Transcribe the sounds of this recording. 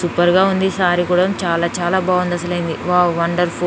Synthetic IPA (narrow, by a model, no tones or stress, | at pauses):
supɐɾɡaːund̪isaːɾikuɽɐmt͡ʃaːlaːt͡ʃaːlaːbaːʋɐnd̪ɐsɐlɐjind̪iʋaːʋɐɳɖɐɾpʰo